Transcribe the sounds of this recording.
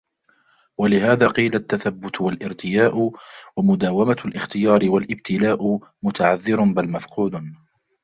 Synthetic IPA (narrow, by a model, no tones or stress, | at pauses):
walɪhaːðaːqiːlat̪ːaθabːʊt̪walʔɪɾt̪ʰɪjaːʔwamʊd̪aːwamalʔɪxt̪ɪjɑːɾɪwalʔɪbt̪ʰɪlaːʔʊmʊt̪ʰaʕaðːɪɾʊnbalmafquːd̪